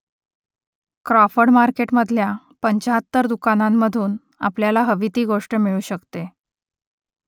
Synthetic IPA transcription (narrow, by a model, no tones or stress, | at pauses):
kɾɔfəɽmaɾkeʈməd̪ʱlja | pəɲt͡ɕaɦət̪ːəɾd̪ukanamːəd̪ʱuːn | a̰pljalaɦəʋit̪iːɡoʂʈəmiɭuːɕəkt̪e